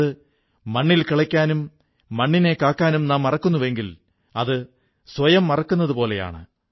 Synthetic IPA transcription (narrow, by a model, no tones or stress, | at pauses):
ɨ | mɐɳːilkiɭɐkʲːaːnumː | ɐɳːine̞kːaːkːaːnumnaːmːɐrɐkːunːuʋe̞ŋɡil | ɐðɨ | sʋɐjɐmːɐrɐkːunːɐðupo̞ːle̞ja̰ːɳɨ